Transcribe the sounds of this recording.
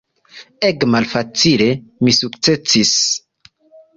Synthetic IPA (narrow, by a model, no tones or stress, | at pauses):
ekmalfat͡sile̞misuk̚t͡se̞sis